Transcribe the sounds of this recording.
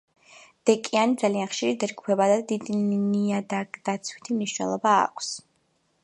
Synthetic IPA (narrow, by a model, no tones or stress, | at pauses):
d̪̥ɛkʼianid̪zalianχʃiɾid̪ɛd͡ʒɡupʰɛbad̪ad̪id̪niad̪ad̪̥at̪sʰwi̥t̪ʰimniʃnɛ̰lˠɔba̰ːkʷʰs